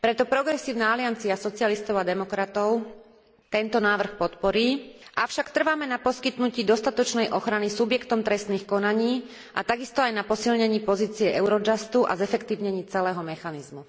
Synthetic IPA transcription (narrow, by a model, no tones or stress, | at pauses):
pɾɛt̪ɔpɾɔɡɾɛsiːʊnaalɪant͡siasɔt͡siɪalist̪ɔʊad̪ɛmɔkɾat̪ɔʊ | t̪ɛnt̪ɔnaːʋr̩xpɔt̪pɔɾiːʔafʃakt̪r̩ʋamɛnapɔskit̪nuciːd̪ɔst̪at̪ɔt͡ʃnɛjʔɔxɾanisubjɛkt̪ɔmt̪ɾɛst̪niːxkɔnaɲiː | ʔa̰t̪aɡist̪ɔajnapɔsilɲɛɲiːpɔziːt͡siɛʔɛʊɾɔd͡ʒast̪uʔa̰zɛfɛkt̪iːʊɲɛɲiːt͡sɛlɛːɦɔmɛxanizmu